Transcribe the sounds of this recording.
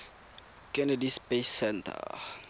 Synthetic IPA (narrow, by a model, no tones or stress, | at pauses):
kɛnədispesɛnt̪ə̰